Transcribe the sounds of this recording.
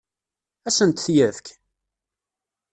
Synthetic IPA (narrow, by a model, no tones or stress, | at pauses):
æsənt̪θjævk